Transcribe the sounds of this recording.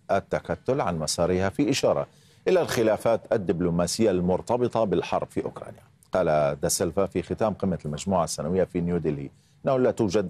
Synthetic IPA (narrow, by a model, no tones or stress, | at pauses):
ʔat̪ːakat̪ːʊlʕa̰nmasˤɑːɾihafiʔɪʃɑːɾˤɑ̰ | ʔɪlalxɪlaːfaːt̪ad̪ːɪblumaːsɪjːalmʊɾt̪ɑbɨt̪ˤɑbɪlħɑ̰ɾˤb̥fiʔʊ̰kɾˤɑ̰ːnja | qɑːlad̪asɪlfafixɪt̪aːmqɪmːalmad͡ʒmuːʕasːanawɪjːafinjuːd̪ɪlḭ | ʔɪnːahlaːt̪uːd͡ʒad̪